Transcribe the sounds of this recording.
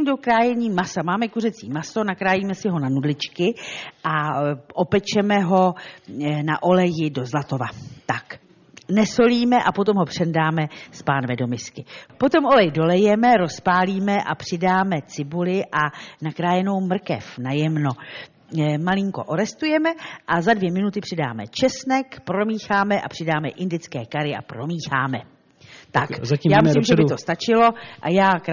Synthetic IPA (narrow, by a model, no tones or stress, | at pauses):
mdokɾaːjɛɲiːmasamaːmɛkurɛt͡sḭːmaso̞nakɾaːjiːmɛsɪɦo̞nanudlɪt͡ʃkɪʔaʔo̞pɛt͡ʃɛmɛɦo̞ | naʔo̞lɛjɪdo̞zlat̪o̞vat̪ak | nɛso̞liːmɛʔapot̪o̞mɦo̞pr̝̥ɛndaːmɛspaːnvɛdo̞mɪskɪpo̞t̪o̞mʔolɛjdo̞lɛjɛmɛɾo̞spaːliːmɛʔapr̥ɪdaːmɛt͡sɪbulɪʔanakɾaːjɛno̞wmr̩kɛ̰fnajɛmno̞ | malɪŋko̞ʔoɾɛst̪ujɛmɛʔazadvjɛmɪnut̪ɪpr̥ɪda̰ːmɛ̰t͡ʃɛsnɛkpɾo̞miːxaːmɛʔa̰pr̥ɪdaːmɛ̰ʔɪndɪt͡skɛːkaɾɪʔa̰pɾo̞miːxa̰ːmɛ | t̪akzijaːmɪsiimʒɛbɪt̪ost̪at͡ʃɪlo̞ʔajaːk